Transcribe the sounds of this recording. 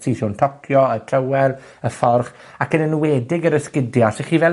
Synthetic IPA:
sisʊntʰɔkʰjɔətʰrəwɛr | əfɔrχ | akənənwɛːdɪɡəɾəskɪdjaseχiːvɛ

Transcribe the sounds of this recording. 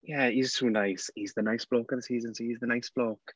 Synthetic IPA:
jæiz̥tʰuːnaɪshizðənaɪsb̥lɔˑkəðəsiːzə̃nsoizðənaɪsb̥lɔˑk

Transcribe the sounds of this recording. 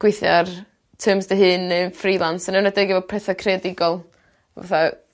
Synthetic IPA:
ɡ̥wɪθja̰r | tʰəːmsdəɦɨnəfriːlˠansənənadeɡivɔpʰrɛθakʰrɛdɪɡɔlˠ | va̰θa

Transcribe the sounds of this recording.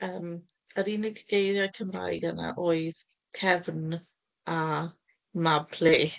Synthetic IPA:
əːm | əɾinɪɡɡ̥ejɾjakʰəmra̰jɡəna̰ʔoːɨð | kʰɛvn | a | mabli

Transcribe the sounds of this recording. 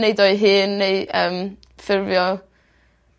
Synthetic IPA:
nejdɔɨɦɨːnːejʔəːm | fɪrvjɔ

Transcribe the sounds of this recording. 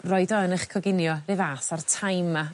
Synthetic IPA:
rɔɨdɔnəχkʰɔɡɪnjɔrɪvaːsartʰajma

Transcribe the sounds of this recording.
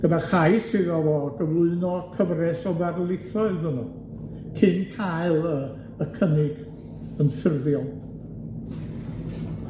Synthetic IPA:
ɡ̥əbɛrχajsɪðɔvɔɡəvlˠʊɨnɔkʰəvrɛsɔvɛrlˠɪθɔɨðhunu | kʰɪnkʰaɨlˠə | əkʰənɪɡ̥ | ənfɪrðjɔlˠ

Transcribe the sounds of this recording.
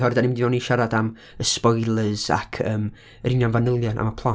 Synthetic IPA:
hɔrdanɪmdinɔniʃaɾadam | əspɔjlˠəz̥a̰kʰəːm | rɪnjanvanəlˠjɔnʔa̰mapʰlˠa

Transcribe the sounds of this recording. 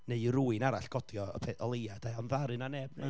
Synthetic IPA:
neɨruːɨnaɾaɬɡ̥ɔdjɔpʰɛɔlˠejad̥aanvaɾɨnanɛbnɛ

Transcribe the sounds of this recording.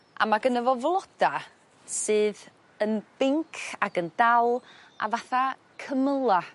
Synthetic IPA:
ʔa̰maɡənəvɔvlˠɔd̥a | sɨːð | ənb̥ɪŋkʰaɡəndalˠ | ʔa̰vaθa | kʰəməlˠa

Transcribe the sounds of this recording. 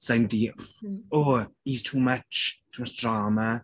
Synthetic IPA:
sãɪ̃ndijoːhiz̥tʰuːmət͡ʃtʰuːmət͡ʃdɹaːmə

